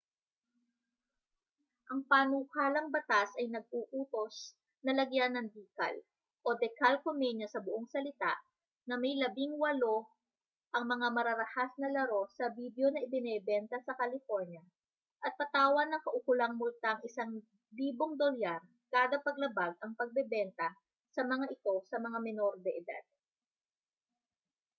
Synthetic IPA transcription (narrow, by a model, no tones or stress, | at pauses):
ʔɐŋpanukaːlɐŋbɐt̪asʔɐjnɐɡ̚uʔuːt̪o̞s | nɐlɐɡjanːɐŋd̪iːkɐ̰l | ʔo̞d̪ɛkalkomɛɲɐsɐbʊʔoŋsɐlɪt̪a̰ʔ | nɐmɐjlɐbɪŋwɐlo̞ | ʔɐŋmɐŋamɐɾɐɾɐhasnɐlɐɾo̞sɐbid̪jo̞nɐʔɪbɪnɛbɛnt̪ɐsɐkɐlɪfoɹɲjɐ | ʔɐt̪̚pɐt̪aːwɐnɐŋkɐʔʊkʊlaŋmʊlt̪aʔɐŋɪsaŋ | liːboŋd̪oljaɾ | kaːd̪ɐpɐɡ̚lɐbaɡ̚ʔɐŋpɐɡ̚bɛbɛnt̪ɐ | sɐmɐŋaʔɪt̪o̞sɐmɐŋamɛno̞ɾd̪ɛʔɪd̪a̰d̪̥̚